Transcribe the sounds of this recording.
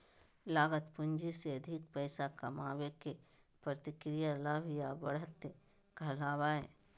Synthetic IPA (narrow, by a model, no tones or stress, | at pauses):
laːɡət̪pʊɲd͡ʒiseɐd̪ʱɪk̚pɛɪsakɐmaːweke | pɾət̪ɪkɾijalaʋjabɐɽət̪ | kɐlaːwaeː